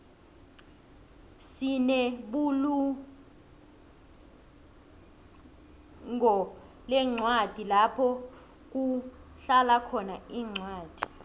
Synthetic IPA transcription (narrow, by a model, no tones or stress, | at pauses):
sinɛɓulu | ŋɔ | lɛŋ͡ǀʱwad̥ʱilapʰɔ | k̬uɬalakʰɔnaiːŋ͡ǀwaːd̥ʱi̥